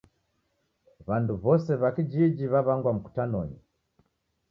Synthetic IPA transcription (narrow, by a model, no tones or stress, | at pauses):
βanduβɔsɛβakid͡ʒid͡ʒiβaβaŋɡwam̩ku̥tanɔ̰ɲi